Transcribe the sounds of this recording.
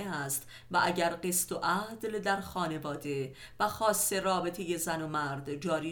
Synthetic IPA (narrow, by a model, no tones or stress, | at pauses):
eæst̪ | væʔæɟæɾɢe̞st̪oʔæd̪̥ld̪æɾxɒːne̞vɒːd̪e̞ | væxɒːsːe̞rɒːbe̞t̪ʰejezænomæɾd̪d͡ʒɒːɾiː